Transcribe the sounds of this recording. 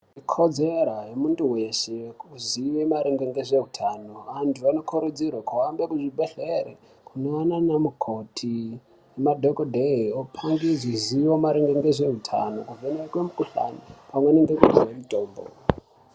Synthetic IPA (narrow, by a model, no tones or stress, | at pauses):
ikʰod͡zeɾajemunduwe̞ʃekuziʋemaɾeŋɡeŋɡe̞ʐe̞utʰaːnoantʰuanokʰoɾud͡zirwakuwambekuʐibʱeɬeɾe | kunoananamukʰotʰi | nemadʱokodʱeiopʰaŋɡid͡ziziwomaɾeŋɡeŋɡeʐe̞ɦutʰa̰no̞̰kuvʱeneekwemukuɬa̰nipamweneŋɡekuziwemutʼoːmbo̰